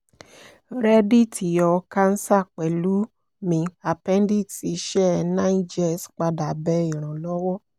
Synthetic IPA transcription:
ɾɛ˦di˦˨tʰi˨jɔ˧ka˦n̩˦sa˦˨k͡pɛ˨lu˨˦ | mĩ˧a˨pɛ˦n˦di˦˨ti˨˧ʃɛ˦nã˦i˦d͡ʒɛ˦˨sk͡pa˧da˨bɛ˧˦i˨ɾ̃ɔ̃˨lɔ˦wɔ˦

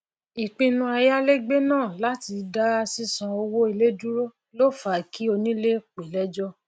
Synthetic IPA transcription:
i˨k͡pĩ˧nũ˧a˧ja˦le˦ɡ͡be˦nãː˦˨la˦ti˧da˦a˧si˦sã˧o˧wo˦i˧le˦du˦ɾo˦ | lo˦˨fa˨ki˨˦o˧nĩ˦le˦k͡pe˨lɛ˦d͡ʒɔ˦

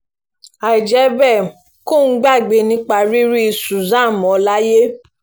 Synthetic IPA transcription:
a˨i˨d͡ʒɛ˨˦bɛ˦˨ | ko˦˨n̩˦ɡ͡ba˦˨ɡ͡be˧˦nĩ˦k͡pa˧ɾi˦ɾi˦i˧˨su˨zã˦˨mɔ̃˨˦la˦je˦

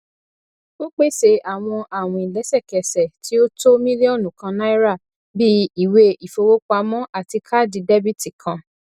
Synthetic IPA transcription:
o˦k͡pe˦˨ʃe˧a˨w̃ɔ̃˧ʔa˦˨w̃ɔ̃˧˨i˨lɛ˨˦sɛ˦˨kɛ˨sɛ˨ti˨˦o˦to˦mĩ˦li˦ɔ˦˨nũ˨kã˧nã˦i˦ɾa˦˨ | bi˦i˦˨we˧i˨fo˧wo˦k͡pa˧mɔ̃˦ʔa˦˨ti˧kʰa˦˨di˨˧dɛ˦bi˦ti˨kʰã˧

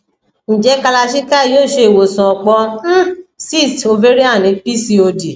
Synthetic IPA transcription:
ñ̩˨d͡ʒɛ˨˦ka˧la˧ʃi˦ka˦˨joː˦˨ʃe˧e˨wo˨sɔ̃˨ɔ˨k͡pɔ˧˦ | si˦˨sto˧ve˦ɾi˦a˦˨nĩ˨˦pi˦si˧o˧di˨

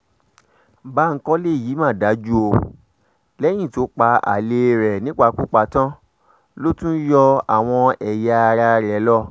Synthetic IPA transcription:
ba˦˧ŋ̩˦kɔ˦le˦˨ji˨˦mã˦˨da˨˦d͡ʒu˦o˧ | lɛ˦j̃ĩ˦˨to˨˦k͡pa˧a̰˨le˧ɾɛ˨nĩ˦k͡pa˧˨˦ku˦k͡pa˨˧˦tã˦ | lo˦tũ˦jɔ˧a˨w̃ɔ̃˧ɛ˨ja˧ɾa˧ɾɛ˨˦lɔ˦˨

